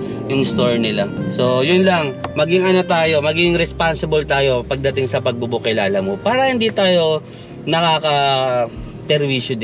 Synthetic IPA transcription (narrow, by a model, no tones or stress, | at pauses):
jʊŋst̪o̞ɹnɪlaso̞jʊnlɐŋmɐɡɪŋɐno̞t̪aːjo̞mɐɡɪŋɾɛspansɪbɐlt̪aːjo̞pɐɡ̚d̪ɐt̪ɪŋsɐpɐɡ̚bubʊkɪlaːlɐmopaːɾɐhɪnd̪it̪aːjo̞ | nɐkaːkɐ | pɛɾwiːʃod̪